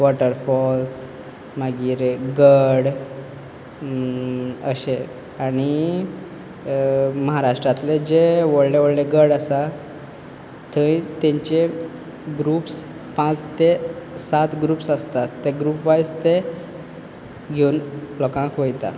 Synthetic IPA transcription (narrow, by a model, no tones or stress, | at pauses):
ʋɔʈəɾfɔls | məɡiːɾɡəɽ | ə̰ɕe | aɽ̃i | məɦaɾaʂʈɾat̪led͡ʑeʋəɽleʋəɽleɡəɽasa | t̪ʰə̃ĩt̪ẽɲt͡ɕe | ɡɾuːps | pãt͡st̪esat̪ɡɾuːpsast̪at̪ːeɡɾuːpʋajst̪e | ɡʱeunplɔkãkʋəjt̪a̰